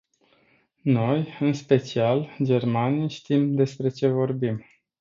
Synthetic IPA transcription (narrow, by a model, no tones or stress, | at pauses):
no̞jɨnspe̞t͡ʃiald͡ʒe̞rmanijʃt̪imd̪e̞spɾe̞t͡ʃe̞vo̞rbim